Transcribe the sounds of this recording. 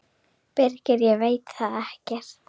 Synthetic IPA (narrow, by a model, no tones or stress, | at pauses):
pɛrcɛɾjɛɣveːjt̪θaðɛhcɛɾ̥